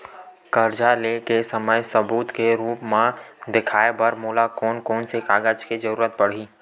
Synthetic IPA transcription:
kəɾd͡ʒalekesəməjsəbuːt̪keɾuːpmãd̪ɪkʰaːebəɾmoːlakɔːnkɔːnsekaːɡəd͡ʒked͡ʒəɾuːɾət̪̚pəɽ̤iː

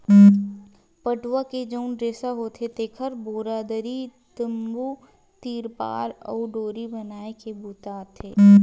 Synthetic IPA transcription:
pəʈwaked͡ʒəʊnɖɾeːsaɦoːt̪ʰet̪ekʰəɾboːɾaːd̪əɾit̪əmbuː | t̪iːɾpa̰ːɾɔ̰ːɖoːɾibənaːekebut̪aːt̪ʰeː

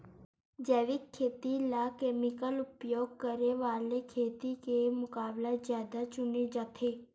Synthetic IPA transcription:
d͡ʒɛːʋɪkʰːeːt̪ilakeːmɪkəlʊpjoːɡ̚kəɾeʋaːlekʰeːt̪ikemʊkaːblazjaːd̪at͡ʃʊnid͡ʒat̪ʰeː

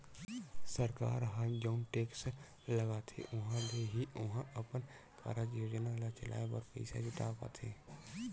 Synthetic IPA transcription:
səɾka̰ːɾɦãːnd͡ʒaʊnʈeːks | ləɡaːt̪ʰḛʔʊɦãleɦiʔʊɦãʔəpən | kʰa̰ːɾad͡ʒjoːd͡ʒnalat͡ʃəlʔa̰ːebəɾpə̰ɪsa̰d͡ʒɪʈ̪a̰ːpa̰ːt̪ʰeː

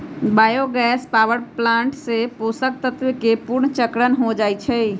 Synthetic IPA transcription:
bajoɡɛspawəɾplãɳʈseposək̚t̪ət̪wkepuɾɳt͡ʃəkɾənɦod͡ʒajt͡ʃʰɛ

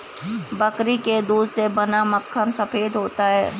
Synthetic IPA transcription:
bəkɾiked̪uːd̪ʱsebɐnaməkʰːənsɐfeːd̪ɦoːt̪aɦɛː

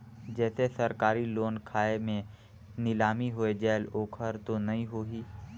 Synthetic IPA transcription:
d͡ʒɛːsesəɾkaːɾiloːnkʰaːemẽ | nɪlaːmiɦoed͡ʒɛːloːkʰəɾt̪onɐɦĩɦoːɦiː

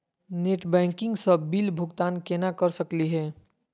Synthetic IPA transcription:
neːʈbɛ̃ːŋkɪ̃ŋɡsəbilbʱʊɡt̪aːnkenakəɾsəkliɦɛː

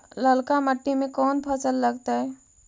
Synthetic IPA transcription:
ləlkaməʈːimẽkɔːnpʰəsəlːəɡt̪aɦɛ

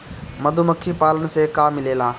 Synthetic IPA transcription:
mɐd̪ʱuməkʰːipaːlənɪ̆seːkaːmɪleːlãː

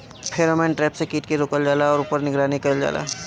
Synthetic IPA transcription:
pʰeːɾoːmɛ̃ːnʈɾɛːpsekiːʈkiɾoːkəld͡ʒaːlaɔːɾʊpəɾnɪɡɾaːnikɐld͡ʒa̰ːla̰ː

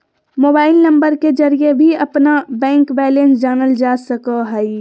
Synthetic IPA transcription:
moːbaːɪlnɐ̃mbəɾked͡ʒɐɾijebʱiɐpnabɛ̃ːŋkbɛːlẽnsd͡ʒaːnəld͡ʒaːsəkəɦɛi

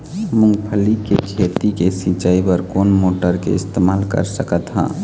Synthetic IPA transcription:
mʊ̃ŋɡpʰəlikekʰeːt̪ikesĩːt͡ʃaːipəɾkoːnmoːʈəɾkḛɪst̪eːmaːlkə̰ɾsəkət̪ɦã̰ː

